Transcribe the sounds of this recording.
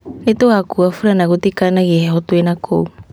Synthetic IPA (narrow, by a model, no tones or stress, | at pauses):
netoakuafuɾanaɣutikanaɡiheɦotoenakʰow